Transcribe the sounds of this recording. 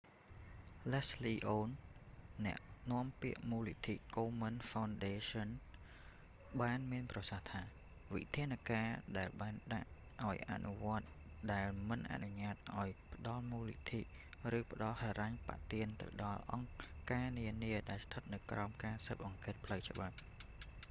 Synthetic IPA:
lɛsliːʔoːnː | ɛ̆əʔnŏəmpiəʔmuːlit̪ʰiʔkoːmənfawnɗeːsɔn | ɓaːnmiənprɑsaht̪ʰaː | ʋḭt̪ʰiənakaːɗaɛlɓaːnɗa̰ʔ | ʔaɔjʔa̰ʔnuʋŏət̪̚ | ɗaɛlmɨnʔa̰ʔnuɲaːt̪̚ʔaɔjpə̆ɗɑlmuːlḭt̪ʰḭʔ | rɨːpə̆ɗɑlhaːɾaɲpa̰ʔt̪iənt̪ɨ̰wɗɑlʔɑŋkaːniəniəɗaɛlst̪ʰət̪̚nɨwkraɔmkaːsəːp̚ʔɑŋkeːt̪̚pʰləwt͡ɕə̆ɓap̚

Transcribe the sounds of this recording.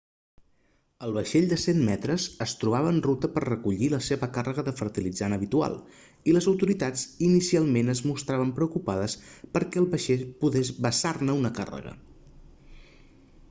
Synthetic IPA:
əlˠβəʃeʎd̪əsemmɛt̪ɾəzəst̪ɾuβ̞aβəːnrut̪əpərrəkuʎiləseβəkarəɣəðəfəɾt̪ilid͡zanəβit̪ua̰lˠ | iləzəwt̪uɾit̪ad͡zinisialˠmenəzmust̪ɾaβ̞əmpɾəukupaðəspəɾkɛəlˠβəʃeʎpuðezβəsarnəunəka̰rə̰ɣə̰

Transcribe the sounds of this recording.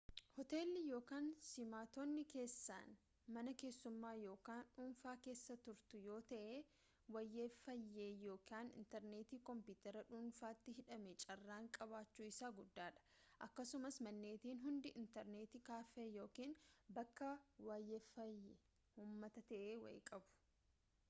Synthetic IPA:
hɔt̪e̞ːlːɪjo̞ːkaːnsɪmaːt̪oːnːɪke̞ːsːa̰ːn | mɐnɐke̞ːsːʊmːaːjo̞ːkaːnᶑuːnfaːke̞ːsːɐt̪ʊɾt̪ʊjo̞ːt̪ɐʔeː | wɐjːeːfɐjːeːjo̞ːkaːnɪ̰nt̪ɛɾneːt̪iːkɔmpiːt̪ɛɾɐᶑuːnfaːt̪ːɪɦɪᶑɐmɛt͡ʃʼɐrːaːŋkʼɐbaːt͡ʃːuːɪsaːɡʊd̪ːaːᶑɐ̥ʔɐkːɐsʊmɐsmɐnːeːt̪iːnɦʊnd̪ɪʔɪnt̪ɛɾneːt̪ɪkaːfejo̞ːkiːnbɐkːɐwaːjːɛːfɐjːɛ | huːmːɐt̪ɐt̪ɐʔeːwɐ̰jkʼɐbʊ̥

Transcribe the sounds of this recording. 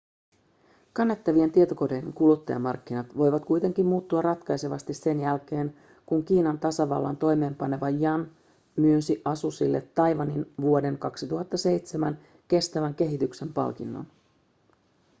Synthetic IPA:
kɑnːet̪ːɑʋie̞nt̪iet̪o̞ko̞dejeŋkulut̪ːɑjɑ̰mɑrkːinɑt̪ʋo̞jʋɑt̪kujt̪e̞ŋkimmuːt̪ːuɑrrɑt̪kɑjse̞ʋɑst̪isse̞njælk̟e̞ːn | kuŋk̟iːnɑnt̪ɑsɑʋɑ̰lːɑ̰nt̪o̞jme̞ːmpɑne̞ʋɑjɑn | myːnsiʔɑsusilːe̞t̪ːɑjʋɑninʋuo̞de̞ŋkɑksit̪uɦɑt̪ːɑse̞jt̪semæn | ke̞st̪æʋæŋke̞ɦit̪ykse̞mpɑ̰lk̟inːo̰n

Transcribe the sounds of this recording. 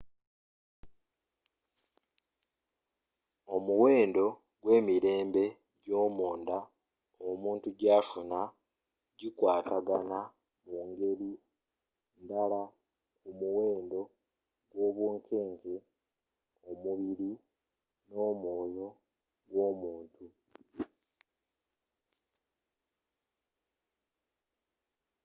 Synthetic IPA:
o̞muwe̞ːndo̞ | ɡwe̞ːmiɾe̞ːmbe̞ | ɟo̞ːmuːnda | omuːntuɟaːfuna | ɟikwaːtaɡana | muːŋɡe̞li | ndala | kumuwe̞ːndo̞ | ɡwo̞ːβwuːŋkʰe̞ːŋke | omuβiɾi | no̞ːmoːjo̞ | ɡwo̞ːmuːntu

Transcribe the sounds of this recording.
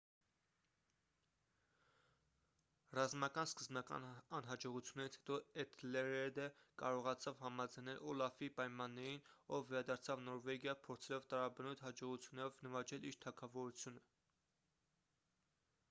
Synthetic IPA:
rɑzmɑkɑnskəzmɑkɑ̰nɑnɦɑd͡ʒɔʁut͡sʰjunːɛɾit͡sʰhɛ̥t̪ɔɛt̪ʰlɛɾɛd̪əkɑ̰ɾɔʁɑt͡sʰɑvhɑmɑd͡zɑjnɛlʔɔlɑfipɑjmɑnːɛɾinɔvːɛɾɑd̪ɑɾt͡sʰɑvnɔɾvɛɡjɑpʰɔɾt͡sʰɛlɔvt̪ɑɾɑbənujt̪hɑd͡ʒɔʁut͡sʰjunːɛɾɔvnəvɑt͡ʃɛliɾt̪ʰɑkʰɑvɔɾut͡sʰjunə

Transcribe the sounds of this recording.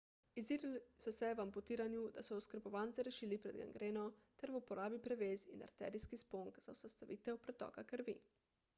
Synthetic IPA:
iziɾlsɔsɛʋampɔt̪iːɾanjud̪asɔɔskəɾbɔʋaːnsɛɾɛʃiːlipɾɛd̪ɡa̰ŋɡɾeːnɔt̪ɛɾʋupɔɾaːbipɾɛʋeːzina̰ɾt̪ɛ̰ːɾiskispoŋkzausast̪aʋiːt̪ɛwpɾɛt̪ɔ̰ːkakəɾʋḭ

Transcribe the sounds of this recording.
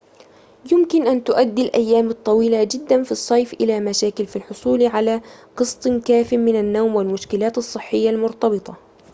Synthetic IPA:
jʊmkɪnʔant̪ʊʔad̪ːilʔajːaːmɨt̪ˤːɑwiːlad͡ʒɪd̪ːanfisˤːɑjfʔɪlamaʃaːkɪlfilħʊsˤuːlʕalaqɨst̪ˤkaːfɪmɪnanːawmwɪlmʊʃkɪlaːt̪ɨsˤːɨħːɪjːalmʊɾt̪ɑbɨt̪ˤɑ

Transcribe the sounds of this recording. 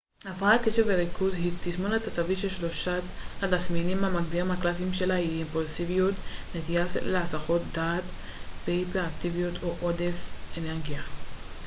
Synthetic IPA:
afakeʃeveʁikʰuzhit̪iʃmonat̪at͡saviʃelʃlo̞ʃathatasminimamaɡ̚d̪iʁimhaklasimʃe̞laiːmpulsivijut̪net̪ijasleasaχo̞t̪̚d̪aːt̪ | bejpeakt̪ivijut̪ʰoʔodefeneʁɡija

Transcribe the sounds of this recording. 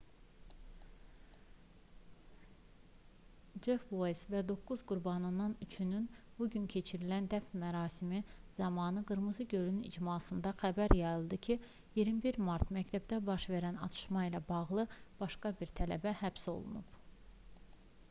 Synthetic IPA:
d͡ʒefvojsvæd̪o̞kːuzɡuɾbɑnɯnːɑnyt͡ʃʰynynb̥uɟyncʰe̞t͡ʃʰiɾilænd̪æfnmæɾɑːsimiz̥ɑmɑːnɯɡɯɾmɯzɯɟølynḭd͡ʒmɑːsɯnd̪ɑxæbæɾjɑjɯlˠd̪ɯcʰi | jiɾmibiɾmɑɾt̪mæct̪ʰæbd̪æbɑʃve̞ɾænɑ̰t̪ʰɯ̥ʃmɑilæbɑɣlˠɯb̥ɑʃkɑbiɾt̪ʰælæ̰bæhæbso̞̰lˠṵnub

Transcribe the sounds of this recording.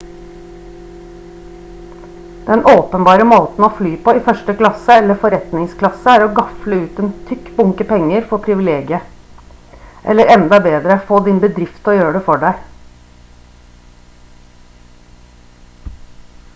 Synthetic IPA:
d̪̥ɛnʔoːpənbɑːɾəmoːt̪n̩oːflyːpoːiːfœʃʈəklɑsəɛlːəfɔɾɛt̪nɪŋskʰlɑsəæːɾoːɡɑfləʉːt̪ɛnt̪ʰʏkbʊŋkəpɛŋːəɾfɔpʰɾɪʋɪleːɡɪə | ʔɛ̰lːəɾɛnd̪ɑbeːd̪ɾəfoːd̪ɪnbəd̪ɾɪft̪oːjøːɖɛfɔɖæɪ

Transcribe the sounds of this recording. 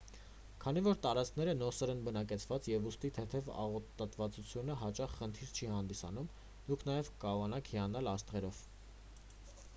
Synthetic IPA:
kʰɑnivɔɾt̪ɑɾɑt͡skʰnɛɾənɔsɛɾɛnbənɑkɛt͡sʰvɑt͡sjɛvust̪it̪ʰɛt̪ʰɛvɑ̰ʁɔt̪ɑt̪vɑt͡sut͡sʰjunəɦɑt͡ʃɑχχənt̪ʰiɾt͡ʃʰihɑnd̪isɑ̰num | d̪̥ukʰnɑjɛvkɑɾɔʁɑnɑkʰhiɑnɑlɑst̪ʁɛɾɔv̥

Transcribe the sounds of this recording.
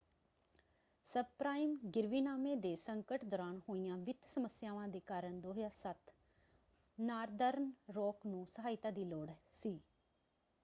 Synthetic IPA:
səpɾaːɪmɡɪɾʋiːnaːmeːd̪eːsəŋkəʈd̪ɔːɾaːnhoːijãːʋɪt̪səməsjaːʋãːd̪eːkaːɾəɳd̪oːɦjaːsət̪ | naːɾd̪əɾnɾoːknũːsəɦaːɪt̪ãːd̪iːloːɽsiː

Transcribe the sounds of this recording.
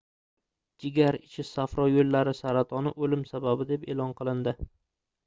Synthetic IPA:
d͡ʒɪɡʲaɾɪt͡ʃʰɪsafɾɒjolːaɾɪsaɾat̪ʰɒnɪʔolɪmsababɪd̪e̞pelˠɒnqʰɨlˠɪnd̪ɪ

